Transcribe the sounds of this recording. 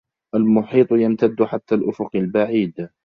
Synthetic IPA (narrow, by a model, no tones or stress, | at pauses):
ʔalmʊħiːt̪ˤjamt̪ad̪ːʊħat̪ːalʔʊfʊqɪlbaʕiːd̪